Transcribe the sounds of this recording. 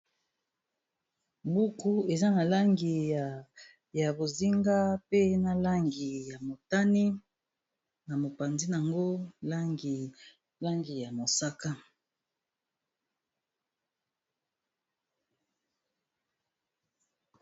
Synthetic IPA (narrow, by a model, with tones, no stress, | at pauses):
mbu˦ku˦e˨za˦na˨la˦ŋɡi˨ | ja˨bo˨zi˦ŋɡa˦pe˦na˨la˦ŋɡi˨ja˨mo˨ta˦ni˦ | na˨mo˨pa˨nzi˦n˨a˨ŋɡo˦la˦ŋɡi˨ | la˦ŋɡi˨ja˨mo˨sa˦ka˦